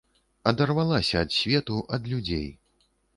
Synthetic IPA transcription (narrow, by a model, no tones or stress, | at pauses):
ɐd̪ɐrvalˠasʲɐːt̪sʲvʲɛt̪uʔɐd̪lʲud͡zʲḛj